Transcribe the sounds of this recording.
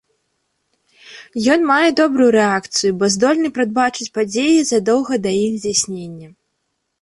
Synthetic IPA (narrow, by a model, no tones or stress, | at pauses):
jɔnmajɛd̪ɔbɾujuɾɛakt̪sɨjubɔzd̪ɔlʲnɨpɾad̪̚bat͡ʂɨt͡sʲpad͡zʲejizɐd̪ɔwɣɐd̪ɐjixzʲd͡zʲasʲnʲenʲːɐ